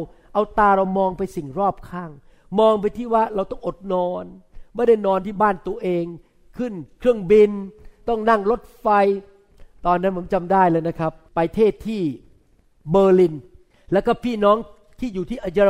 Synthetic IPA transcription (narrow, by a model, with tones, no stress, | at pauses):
ʔa˧wt̪aː˧ɾa˧wmɔː˧ŋpa˧jsi˨˩ŋɾɔː˥˩p̚kʰaː˥˩ŋ | mɔː˧ŋp̬a˧jt̪ʰiː˥˩waː˥˩ɾa˧wt̪ɔ˥˩ŋʔo˨˩t̪̚nɔː˧nmaː˥˩da˥˩jnɔː˧nt̪ʰiː˥˩baː˥˩nt̪u˧ɐʔeː˧ŋ | kʰɯ˥˩nkʰɾɯ˥˩əŋbi˧nt̪ɔ˥˩ŋna˥˩ŋɾo˦˥t̪̚fa˧j | t̪ɔː˧nːa˦˥nmʰɯ˩˦mt͡ɕa˧mdaː˥˩jlɤː˧jna˦˥kʰa˦˥pːa˧jt̪ʰeː˥˩t̪ʰːiː˥˩ | bɤː˧li˧n | lɛː˦˥wkɔː˥˩pʰiː˥˩nɔː˦˥ŋ | t̪ʰiː˥˩juː˨˩t̪ʰiː˥˩ʔa˧ja˧